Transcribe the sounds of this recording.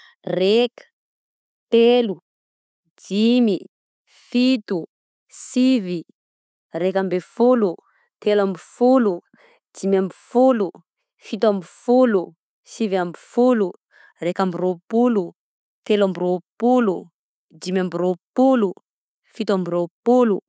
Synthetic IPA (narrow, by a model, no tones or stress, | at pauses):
rekə̥ | t̪elu | d͡ʒimi | fit̪u | sivi | rekambefulu | t̪elambifulu | d͡ʒimambifulu | fit̪uambifulu | sivambifulu | rekambiropulu | t̪elambiropulu | d͡ʒimambiropulu | fit̪uambiɾopulu